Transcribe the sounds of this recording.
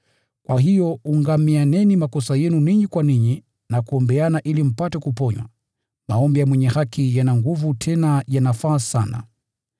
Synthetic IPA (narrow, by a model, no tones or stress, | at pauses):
kwʔaɦijɔuŋɡamianɛnimakɔsajɛnuniɲikwaniɲi | nakuɔmbɛanaʔilim̩patɛkupɔɲwa̰ | maɔmbijamwɛɲɛhakijanaŋɡuvutʰɛnajanafaːsana̰